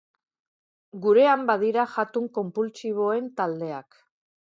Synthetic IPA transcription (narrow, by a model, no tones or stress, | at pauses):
ɡuɾe̞ambað̞iɾaʝat̪uŋko̞mpult͡siβ̞o̞e̞nt̪ald̪e̞ak